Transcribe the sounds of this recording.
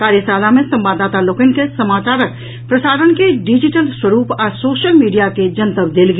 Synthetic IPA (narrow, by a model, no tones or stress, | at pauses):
kaːɾjəsaːlamẽsɐ̃mbaːd̪aːt̪aloːkənkesɐmaːt͡ʃaːɾək̚ | pɾəsaːɾənkeɖid͡ʒɪʈəlswəɾuːpɔɾsoːʃəlmiːɖijaked͡ʒənt̪əbd̪eːlɡ